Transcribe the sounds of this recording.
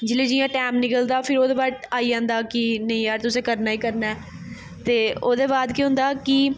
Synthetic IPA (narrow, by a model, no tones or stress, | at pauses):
d͡ʒɪleːd͡ʒiːjãːʈɛːmnɪkəld̪aːpʰɪɾoːd̪eːbaːʈaːiːd͡ʒãːnd̪aːkɪnəĩːjaːɾt̪ʊsẽːkəɾnaːiːkəɾnaɛː | t̪eːoːd̪eːbaːd̪keɦʊ̃nd̪aːkɪ